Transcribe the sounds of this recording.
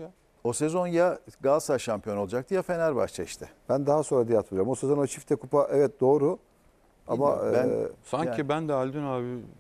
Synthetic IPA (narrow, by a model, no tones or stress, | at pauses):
o̞se̞zo̞njaɡasaʃampʰijoo̞lˠad͡ʒak̚t̪ʰɯjafe̞næɾba̰ʃt͡ʃʰaiʃt̪ʰɛb̥ænd̪aɦaso̞nɾad̪ijat̪ʰmɯd͡ʒaɾamo̞sezono̞t͡ʃʰift̪ʰɛkʰupaʔɛvɛt̪̚d̪o̞ːɾu | a̰ma̰ɯsaɲcʰibænd̪ɛalʲd̪ynaːbi